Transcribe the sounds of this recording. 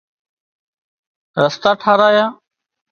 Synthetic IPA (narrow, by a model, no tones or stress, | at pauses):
ɾəst̪aːʈʰaːɾaːjaː